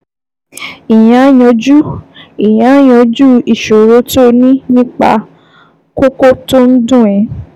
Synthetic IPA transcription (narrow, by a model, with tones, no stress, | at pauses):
i˨j̃ã˨˦jɔ̃˧d͡ʒu˦i˨j̃ã˨˦j̃ɔ̃˧d͡ʒu˦i˨ʃo˨ɾo˧˦to˧nĩ˦nĩ˦k͡pa̰˧ | ko˦ko˦to˦n̩˦dũ˦˨ɛ̃˨˦